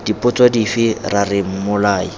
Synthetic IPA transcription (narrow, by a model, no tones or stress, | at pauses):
d̥ipʼʊt͡sʼwadifɪrarɪm̩mʊlaːi